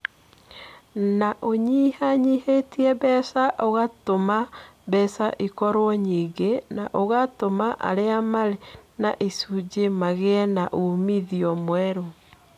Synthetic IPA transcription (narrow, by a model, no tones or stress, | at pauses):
naʔoɲihaɲihetiɛbɛsaʔoɣatomabɛsaʔikɔɾwɔɲiːɡenaʔoɣatomaʔa̰ɾeamaɾenaʔisud͡ʒemaɣeɛnaʔumiðiɔmwɛɾo